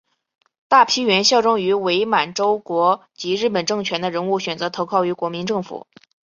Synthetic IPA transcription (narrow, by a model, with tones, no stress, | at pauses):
t̪a˥˩pʰi˥ɥɛ˧˥nɕjɑ˥˩ʊʈ͡ʂʊ˥ŋy˧˥we˧˥ɪma˨˩nʈ͡ʂo˥ʊkwɔ˧˥t͡ɕi˧˥ɻɻ̩˥˩pə˨˩nʈ͡ʂɤ˥˩ŋt͡ɕʰɥɛ˧˥nd̪ə˧ɻə˧˥nu˥˩ɕɥɛ˨˩nt͡sɤ˧˥t̪ʰo˧˥ʊkʰɑ˥˩ʊy˧˥kwɔ˧˥mi˧˥nʈ͡ʂɤ˥˩ŋfṵ˨˩˦